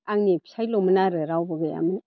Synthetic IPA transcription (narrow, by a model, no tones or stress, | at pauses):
aŋnipʰi̥sʰajlomɯnaɾɯɾawbɯɡɯja̰mɯn